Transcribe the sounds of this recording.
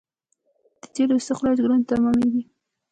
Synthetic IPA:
d̪̥ət̪elosəxlɑd͡ʒɡɾunt̪amɑmeɡi

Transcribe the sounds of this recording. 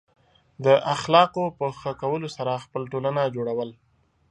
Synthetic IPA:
d̪əʔaxlɑqopəxəkawəlosaɾaxpəlʈolanad͡ʒoɽawəl

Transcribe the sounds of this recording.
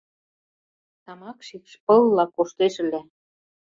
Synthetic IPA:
t̪ɑmɑkʃikʃpɤ̆lːɑkːoʃt̪eʃɘ̆læ

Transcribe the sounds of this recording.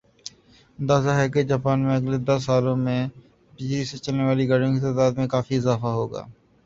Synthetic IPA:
ənd̪aːzaːɦɛːked͡ʒaːpaːnmẽəɡled̪ɐsːaːlõːmẽː | biːd͡ʒiːset͡ʃəlneːʋaːliɡəɽjõkit̪aːd̪aːd̪mẽkaːfiɪzaːfaɦoːɡa̰ː

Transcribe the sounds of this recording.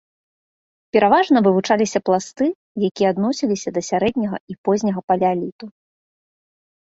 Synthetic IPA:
pʲɛɾavaʐnɐvɨvut͡ʂalʲisʲɐplˠast̪ɨ | jakʲijɛad̪nɔsʲilʲisʲɐd̪ɐsʲaɾɛd̪ʲnʲɐɣɐ̰ipɔzʲnʲɐɣɐpalʲalʲit̪u

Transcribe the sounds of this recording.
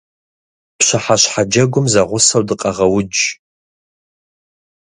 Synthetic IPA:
pɕʷaħaɕħad͡ʒɐɡʷʊmzɐʁʷʊsɐwdɨqʼɐʁɐwʊd͡ʒ

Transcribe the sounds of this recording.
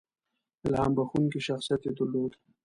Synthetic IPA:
ɪlha̰ːmbaxunkiʃaxsijat̪ed̪əɾloːd̪

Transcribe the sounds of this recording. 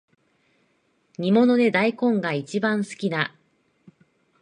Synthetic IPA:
ɲ̟imo̞no̞d̪e̞d̪aikõ̞ŋɡait͡ɕibãɰ̃sɨ̥kʲina

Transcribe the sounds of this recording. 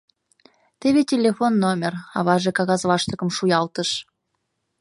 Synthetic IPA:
t̪eβetʲelʲefonːomʲerɑβɑʒekɑɣɑzβɑʃt̪ə̆kə̆mʃujɑlt̪ə̆ʃ

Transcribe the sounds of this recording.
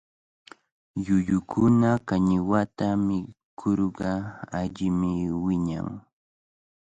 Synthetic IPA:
jʊʎʊkʰʊnakaɲɪwat̪amɪkʰoɾɢɑaʎɪmɪwɪɲa̰ŋ

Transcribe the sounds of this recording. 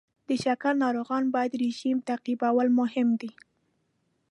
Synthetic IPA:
d̪̥əʃakalnɑɾoɣɑnbɑjad̪ɾeʒimt̪aqibawalmʊɦɪmd̪i

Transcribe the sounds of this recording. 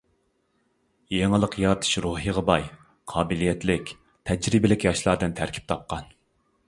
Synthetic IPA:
jeŋɨlˠəqjɑɾt̪ʰɨ̥ʃɾuɦiʁəbɑj | qʰɑːbɪlijɛt̪lɪkʲ | t̪ʰɛd͡ʒɾɪbɪlɪkʲjɑʃlˠɑɾd̪ɨnt̪ʰæɾkʲʰi̥p̚t̪ʰɑp̚qɑn

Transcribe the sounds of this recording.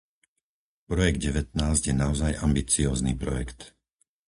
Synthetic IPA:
pɾɔjɛɡ̚d̪̚ɟɛʋɛt̪naːzɟjɛnaɔzajʔambit͡siɔːznḭːpɾɔjɛkt̪

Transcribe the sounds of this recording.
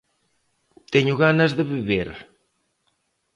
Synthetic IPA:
t̪eɲuɣanɐzðəβiβeɾ

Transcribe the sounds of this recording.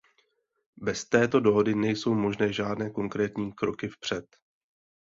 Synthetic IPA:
bɛst̪ɛːt̪o̞do̞ɦo̞dɪnɛjso̞wmo̞ʒnɛːʒaːdnɛːko̞ŋkɾɛːt̪ɲiːkɾo̞kɪfpr̝̥ɛt̪

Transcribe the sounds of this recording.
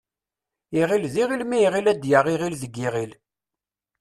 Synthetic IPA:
iʁilðiʁilmiʁilæd̪jəʁiʁilðəɡːiʁil

